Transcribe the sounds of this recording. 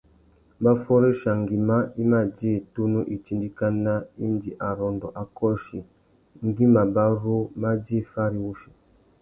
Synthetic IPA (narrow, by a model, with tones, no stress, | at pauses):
ba˦fɔ˦ɾe˦ʃa˨ŋ˨ɡi˨ma˦i˦ma˦d͡ʒe˦˨tu˦nu˦ʔi˨t͡ʃi˦ndi˦ka˦na˦i˦nd͡ʒi˨ʔa˨ɾɔ˨ndɔ˨ʔa˨kɔ˦ʃi˨ | ŋ̩˦ɡi˦ma˨ba˦ɾu˦ma˦d͡ʒe˦˨fa˦ɾi˦wu˦ʃi̥˨